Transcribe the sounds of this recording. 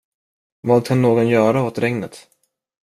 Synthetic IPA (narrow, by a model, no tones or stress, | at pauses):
vɑːd̪̚kʰanːoːɡɔnjœːɾaot̪ɾɛŋnət̪